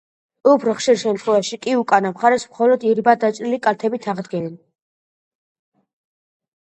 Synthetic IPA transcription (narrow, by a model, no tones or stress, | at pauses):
ɔpʰɾχʃiɾʃɛmt̪ʰχwɛvaʃikʼiukʼanamχaɾɛsmχɔlɔd̪iɾibad̪at͡ʃʼɾilikʼalt̪ʰɛbit̪ʰaʁd̪ɡɛnɛn